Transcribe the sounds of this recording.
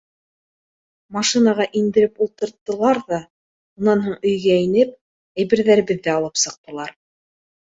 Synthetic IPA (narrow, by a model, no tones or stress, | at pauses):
mɑʃinɑʁɑʔind̪ɘ̆ɾɘpulˠt̪ɤ̆ɾt̪ːɤ̆lˠɑɾðɑ | unɑnɦuɴɵ̆jɡæinɘp̚ | æjβɘ̆ɾðæɾɘ̆βɘðːæɑlˠɤpsɤ̆q̚t̪ɤ̆lˠɑɾ